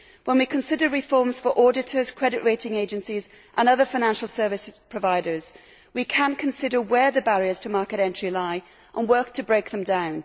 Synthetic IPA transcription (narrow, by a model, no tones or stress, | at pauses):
wə̃nwikʰə̃nsɪdəɹɪfɔɹmz̥fəɹʔɔːdɪtʰəz̥kʰɹ̥ɛdɪʔɹeɪtɪ̃ŋeɪd͡ʒə̃nsiz | ʔə̃nʌðəfaɪ̃nãnʃl̩ˠsɜːvɪspʰɹ̥əvaɪdəz̥ | wikʰə̃nkʰə̃nsɪdəwəðəbaɹiəz̥tʰəmɑɹkɪɾɛ̃nt͡ʃɹ̥ilaɪ | ʔə̃nwɜˑ˞k̚tʰəbɹeɪk̚ðə̃mdãʊ̃n